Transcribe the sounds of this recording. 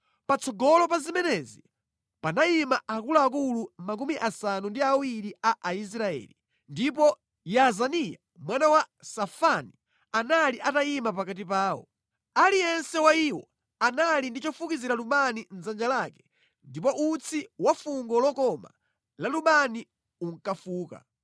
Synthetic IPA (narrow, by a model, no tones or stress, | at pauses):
pat͡sʰɔɡɔlɔpazimɛnɛzi | panaimaʔakulaak̬ulumak̬umiʔasanundiawiɾiaʔais̬ɾaɛ̰ːli | ndipɔ | jazanija | mwanawasafani | analiʔataimap̬akat̬ipaːwɔ̰ | alijɛnsɛwaiwɔ | analindit͡ʃɔfukiziɾaluɓanin̩zand͡ʒalakɛ̥ | ndipɔʔut͡sʰiwafuŋɡɔlɔkɔma̰ | laluɓani | uŋ̩kafuːka̰